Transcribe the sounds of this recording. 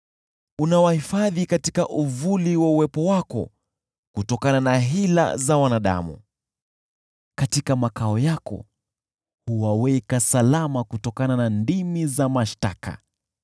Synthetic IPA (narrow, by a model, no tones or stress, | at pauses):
unawahifaðikati̥kaʔuvuliwauwɛpɔwakɔ̰ | kutɔkananaɦila̰zawanaɗa̰mṵ | katikamakaɔjakɔ̰ | huwawɛkasalamakutɔkananandimizamaʃta̰ka̰